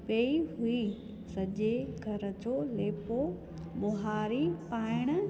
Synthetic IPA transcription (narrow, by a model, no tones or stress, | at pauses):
peːiɦui | sɐʄeɡʱɐɾəd͡ʑoleːpo | ɓʊɦaːɾipaːɪɽ̃̆